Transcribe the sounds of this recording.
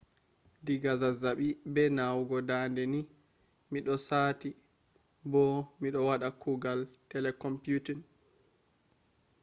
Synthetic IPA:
diɡazazaɓibɛnawɡɔdandɛni | miɗɔsaːti | bɔmiɗɔwaɗakʰuɡaltɛlɛkɔmpjutin

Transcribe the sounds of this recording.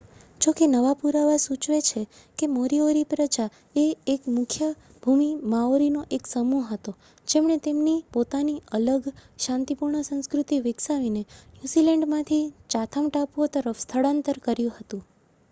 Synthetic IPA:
d͡ʒokenəʋapuɾaʋasũt͡ʃʋet͡ʃʰe | kemoɾioɾipɾəd͡ʒa | eːkmʊkʰjə | bʱumimaoɾinoʔeksəmuɦət̪o | d͡ʒemɳ̃et̪emnipot̪aniələɡʃãnt̪ipuɾɳəsə̃nskɾut̪iʋɪksaʋinenjuzilɛ̃ɳɖmãt̪ʰit͡ʃat̪ʰəmʈapʋot̪əɾəfst̪ʰəɽãnt̪əɾkəɾjũhət̪ũ

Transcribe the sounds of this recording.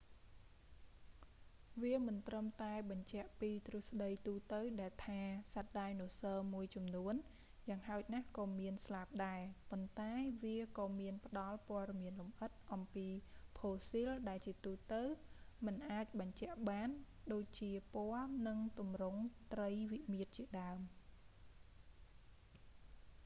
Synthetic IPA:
ʋiəmɨnt̪rəmt̪aɛɓɑɲt͡ɕɛ̆əʔpiːt̪rŭəhsɗəjt̪uːt̪əwɗaɛlt̪ʰaːsat̪̚ɗaɛjnŭəsəːmuəjt͡ɕɑmnuən | jaːŋhaɔc̚nahkɑːmiənslap̚ɗaɛpont̪aɛʋiəkɑːmiənpə̆ɗɑlpŏəɗɑmiənlumʔət̪̚ʔɑmpiːpʰoːsilɗaɛlt͡ɕiət̪uːt̪əwmɨnʔaːc̚ɓɑɲt͡ɕɛ̆əʔɓaːnɗoːc̚t͡ɕiəpoəlnɨŋt̪umrʊŋt̪rəjʋiʔmiət̪̚t͡ɕiəɗaəm

